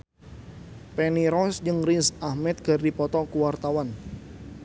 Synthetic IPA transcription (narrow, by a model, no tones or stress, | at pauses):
pɛniɾɔsd͡ʒɨŋrinsahmɛt̪̚ɡ̥ərdipɔt̪ɔkuwart̪awan